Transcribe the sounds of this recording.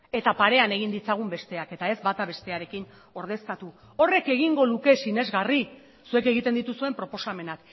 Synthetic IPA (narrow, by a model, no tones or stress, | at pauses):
e̞t̪apaɾe̞ane̞ɣind̪it͡saɣ̞umbe̞st̪e̞ake̞t̪ae̞zbat̪aβe̞st̪e̞aɾe̞kin | o̞ɾð̞e̞sk̪at̪u | o̞re̞ke̞ɣ̞iŋɡo̞luke̞sine̞zɣari | sue̞ke̞ɣ̞it̪end̪it̪usue̞mpɾo̞po̞same̞nak